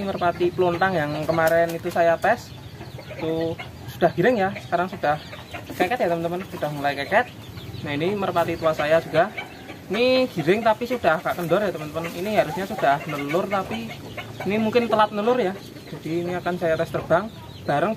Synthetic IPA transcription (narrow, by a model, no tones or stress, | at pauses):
mərpat̪ipəlont̪aŋjaŋkəmaɾɛnit̪usajat̪ɛs | t̪u | su̥d̥ahɡ̥i̤ɾɪŋjasə̥kaɾaŋsud̥ah | kɛkɛt̪jat̪əmənt̪əmənsud̥ahmulajkɛkɛt̪̚ | nainimərpat̪it̪uasajad͡ʒ̥uɡa | iniɡ̥i̤ɾɪŋt̪apisud̥ahhɡaʔkəndɔrjat̪əmənt̪əmənḭniɦaɾʊsɲasud̥ahnəlʊrt̪apiː | nimuŋkɪnt̪əlat̪̚nəlʊrja | d͡ʒad̥iːniakansajat̪ɛst̪ərb̥aŋ | b̥aɾəŋ